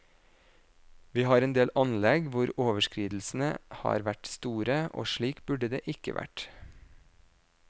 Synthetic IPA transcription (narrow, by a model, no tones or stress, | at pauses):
ʋiːhɑːɾɛeːnd̪eːlʔɑnlɛɡʋʊɾoːʋəʃkɾiːd̪l̩sn̩əhɑ̰ːɾʋæʈst̪uːɾəʔo̰ːʃɭiːkbʉɖəd̪ḛːʔɪkə̰ʋʔæ̰ʈ